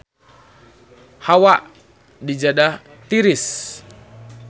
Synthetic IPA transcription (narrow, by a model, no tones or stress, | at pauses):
hawaʔ | did͡ʒada | t̪iɾis